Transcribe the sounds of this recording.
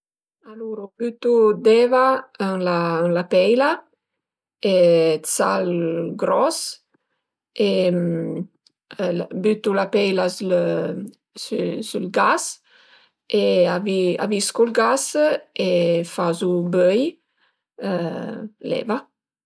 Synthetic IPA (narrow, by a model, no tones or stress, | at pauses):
aluɾubyt̪ud̪ɛvaənlanlapɛjla | et͡salɡɾɔs | e | byt̪ulapɛjlasl | ssylɡas | eavia̰viskɔlɡasefazubøj | lɛ̰va